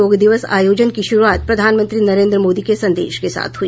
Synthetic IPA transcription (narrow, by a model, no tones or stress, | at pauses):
oːɡd̪ɪʋəsa̰ːjoːd͡ʒənkiʃʊɾuaːt̪̚pɾɐd̪ʱaːnmə̃nt̪ɾinɐɾẽːnd̪ɾəmoːd̪ikesɐ̃nd̪ḛːʃkesa̰ːt̪ʰɦʊi